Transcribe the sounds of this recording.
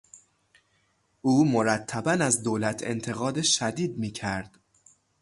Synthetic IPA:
ʔuːmo̞ɾæt̪ʰːæbænæzd̪oːlæt̪ʰe̞̰nt̪ʰe̞ɣɒːd̪eʃæd̪iːd̪miːcʰæɾd̪̥

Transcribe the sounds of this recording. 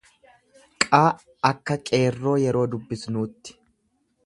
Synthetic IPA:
kʼaː | ɐkːɐkʼe̞ːrːo̞ːjɛɾo̞ːd̪ʊbːɪsnuːt̪ːɪ̥

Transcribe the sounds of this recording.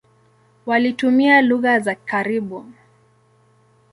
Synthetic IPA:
walitumialuɣazakʰaɾiɓu

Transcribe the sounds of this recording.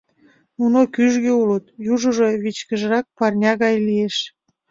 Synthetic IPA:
nunokyʒɣeulət̪juʒəʒo̽βit͡ɕkəʒəɾɑk̚pɑrnʲɑɣɑjlieʃ

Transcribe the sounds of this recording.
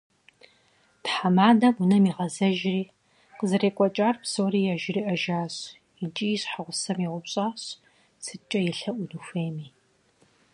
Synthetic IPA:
pħamaːdɐmunɐmiʁɐzɐʒriː | qəzɨɾeːkʷʼɔt͡ʃʼaːrpsoːɾiːjaʒɪriːʔɐʒaːɕ | ɪt͡ʃʼiːjɕħaʁʷʊsɐmjiʁʷʊpɕʼaːɕ | sʰɨt͡ʃʼɐjɪɬɐʔʷʊnuxʷeːmiː

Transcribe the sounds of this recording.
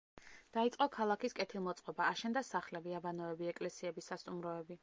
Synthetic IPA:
d̪̥ait̪sʼqʼɔkʰalˠakiskʼɛt̪ʰilˠmɔt̪sʼqʼɔbaːʃɛnd̪asaχlɛbiabanɔɛbiɛkʼlɛsiɛbisːast̪ʼumɾɔɛbi

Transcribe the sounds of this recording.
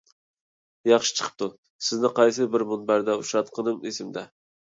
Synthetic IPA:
jɑχʃi̥t͡ʃʰə̥qʰə̥p̚t̪ʰu | sɪznɪqʰɑjsɨbɪɾmunbæɾd̪ɛuʃɑt̪qʰənɨmesɪmd̪ɛ

